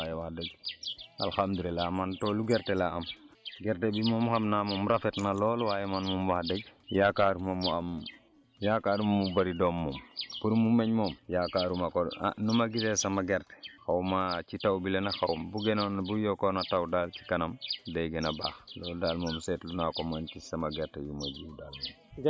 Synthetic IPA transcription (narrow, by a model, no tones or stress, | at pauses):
wajewadeɡa̰lxamd̪uɾilamantoːluɡeɾtelaamɡeɾtebimomuxamnamumuɾafetnaloːlwaːjemanmumwadeɡjakaɾumomuam | jakaːɾummubaɾidomːumkuɾumumeɲmomjakaɾumako̰numaɡitɛsamaɡɛɾtɛ̥xawmat͡ʃitawbilɛnaxawumbuɡɛnonbujɔkonatawdaːlt͡ʃi̥kanamdejɡɛnaba̰ːxlɔldaːlmomsɛtlunakomankisamaɡɛɾtɛbimod͡ʒiudaːlmom